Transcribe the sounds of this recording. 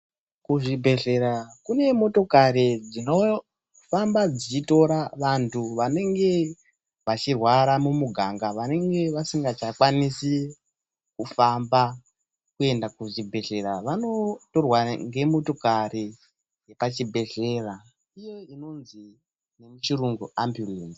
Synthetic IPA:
kuʐibʱe̞ɮe̞ɾakune̞mo̞to̞kaɾid͡zino̞ | fambad͡zit͡ʃito̞ɾaʋantʰuʋane̞ŋɡe̞ | ʋat͡ʃirwaɾamumuɡʱaŋɡaʋane̞ŋɡe̞ʋasiŋɡat͡ʃakwanisi | kufamba | kue̞ndakuʐibʱe̞ɮe̞ɾaʋano̞to̞rwaŋɡe̞mo̞to̞kari | je̞pat͡ʃibʱe̞ɮe̞ra | ijo̞ino̞nzi | ne̞mut͡ʃiruŋɡuambjulen

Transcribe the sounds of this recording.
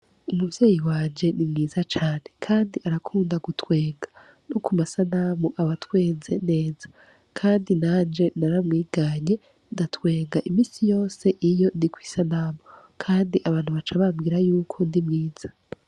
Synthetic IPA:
umuvje̞ːjiwaːnd͡ʒe̞nimŋiːzat͡ʃaːne̞kʰaːndiʔaɾakʰuːndaɡutwe̞ːŋɡa | nokʰumasanamuʔaβatwe̞ːnze̞ne̞ːz̥a | kʰaːndinaːnd͡ʒe̞naɾamŋiːɡaɲe̞ | ndatwe̞ːŋɡaʔimiːsijo̞ːse̞ʔijo̞ndikwi̥sanaːmu | kʰaːndiʔaβaːn̥huβat͡ʃaβamɡiːɾajuːkʰo̞ndimŋiːz̥a

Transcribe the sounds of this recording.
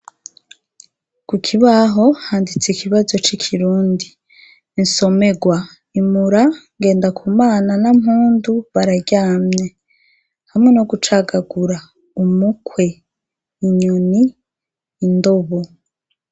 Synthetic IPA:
kukʰiβaɦo̞haːndit͡sikʰiβazo̞t͡ʃikʰiɾuːndi | nso̞me̞ɡwa | imuɾaŋɡe̞ːndakʰumaːnanamɦuːnduβaɾaɟaːmɲe̞ | hamŋe̞no̞ɡut͡ʃaɡaɡuɾa | umukwe̞ | iɲuniː | ndo̞βo

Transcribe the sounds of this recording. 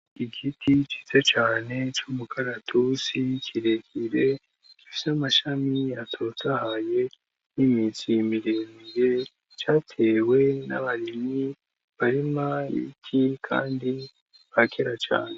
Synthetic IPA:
iɡitʰit͡ʃi̥zet͡ʃaːne̞t͡ʃumukʰaɾatʰusikʰiɾe̞kʰiɾe̞ | kifi̥samaʃamiatʰotahaje̞ | nimisimiɾemiɾe̞ | t͡ʃaːtʰe̞ːwe̞na̰βaɾimi | βaɾimaḭcʰikʰa̰ːndi | βakʰeɾat͡ʃa̰ːne

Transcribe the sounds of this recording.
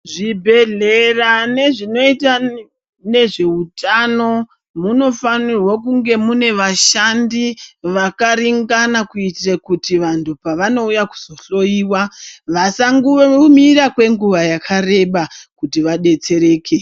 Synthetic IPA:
ʐibʱe̞ɮerane̞ʐino̞ita | ne̞ʐe̞utano̞ | muno̞fanirwakuŋɡe̞mune̞ʋaʃandiʋakaɾiŋɡanakuitrakutiʋantʰupaʋano̞ujaku̥z̥o̞ɬo̞jiːwaʋasaŋɡumiɾakwe̞ŋɡuʋajakʰare̞ɓakutiʋaɗe̞t͡se̞ɾe̞ːkʰe

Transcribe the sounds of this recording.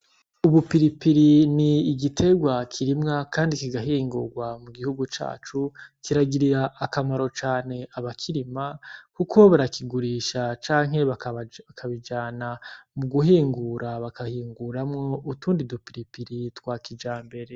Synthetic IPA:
uβupiɾipiɾiniːɡitʰe̞ɡwakʰiɾimŋakʰaːndikiɡaɦiːŋɡṵɾɡwamuɡihuɡut͡ʃa̰ːt͡ʃukiɾaɡiɾiɾaʔːkamaɾo̞t͡ʃaːne̞aβakʰiɾimakukʰo̞βaɾakiɡuɾiːʃat͡ʃaːŋ̥he̞βaakʰaβid͡ʒaːnamuɡuɦiːŋɡuɾaβakʰahiːŋɡuɾamŋo̞utuːndidupiɾipiɾitwaːkid͡ʒaːmbe̞ɾe̞

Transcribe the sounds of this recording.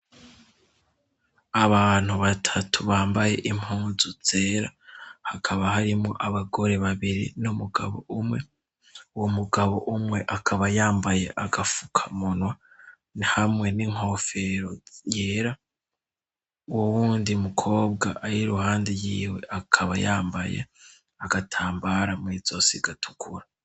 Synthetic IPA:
aβaːn̥huβatʰatʰuβaːmbaje̞ʔim̥huːnzuz̥e̞ːɾa̰hakʰaβahaɾimŋo̞ʔaβaɡo̞ɾe̞βaβiɾḭnumuɡa̰βo̞umŋe̞ | uwomuɡaβo̞ʔumŋe̞ʔakʰaβajaːmbaje̞̰ʔaɡafu̥kʰḁmonwa | nhamŋe̞niŋ̥o̞feɾo̞jeːɾa | wowuːndiumukʰo̞ːbɡaʔaɾiɾuhaːndejiːwe̞ʔakʰaβa̰jaːmbajḛ | aɡ̥atʰaːmbaːɾamwiːzosiɡatʰu̥kʰuɾa

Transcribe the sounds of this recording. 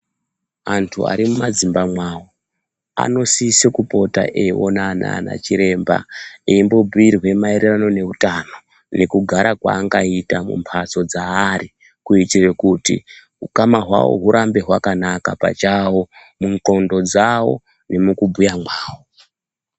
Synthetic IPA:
antʰua̰ɾimumad͡zimbamwaːwo | a̰no̞sisekupo̞ta̰ʔeo̰naːna̰na̰t͡ʃiɾe̞mba̰eimbo̞bʱuirwe̞maiɾerano̞ne̞utano̞ | ne̞kuɡʱaɾakwa̰ːŋɡaitamṵmpʰat͡so̞d͡zaːri | kuitirekutḭ | ɦukamaɦwa̰wo̞̰ɦuɾʔambe̞ɦwakanakapa̰t͡ʃawo̞ | muŋko̞ndo̞d͡zawo̞̰ | ne̞mukubʱujamwaːwo

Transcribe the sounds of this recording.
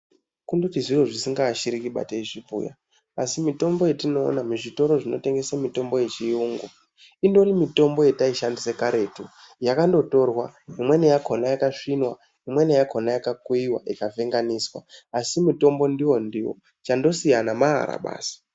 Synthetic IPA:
kundo̞tiʐiroʐisiŋɡaːʃiɾikiɓa̰teiʐipṵja̰ | asimito̞mbo̞jetino̞̰ːnamuʐito̞ɾo̞ʐino̞te̞ŋɡe̞samito̞mbo̞je̞t͡ʃiuːŋɡo | indo̞rimito̞mbo̞je̞taiʃandisekaɾe̞tu | jakando̞to̞rwaimwe̞nejakʰonajakaʂinwa | imwe̞nejakʰonajakakuiwa̰ʔikavʱe̞ŋɡaniswa̰asimito̞mbo̞ndiwo̞ndiwo̰ | t͡ʃando̞sijanamaɦa̰ɾa̰ɓa̰ːsi̥

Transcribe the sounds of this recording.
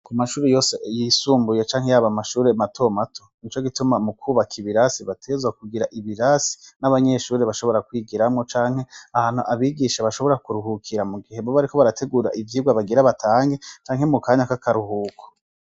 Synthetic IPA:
kumaʃuːɾejo̞ːsejisuːmbujet͡ʃaːŋ̥he̞jaβamaʃuːɾematʰo̞matʰo̥nit͡ʃo̞ɡitumamukʰuːβakʰiβiɾasiβatʰe̞ːzɡwakuɡiɾaʔiβiɾasi̥naβaɲe̞ʃuːɾeβaʃo̞βo̞ɾakwiːɡiɾamŋot͡ʃaːŋhe̞ahaːn̥huʔaβiɡiʃaβaʃo̞βo̞ɾakuɾuɦukʰiɾamuɡiɦemboβaɾikʰo̞βaɾatʰe̞ɡuːɾa̰ʔivjiːɡwaβaɡiɾaβatʰaːŋɡe̞t͡ʃaːŋhe̞mukaːɲakakaɾuhuːkʰo̥

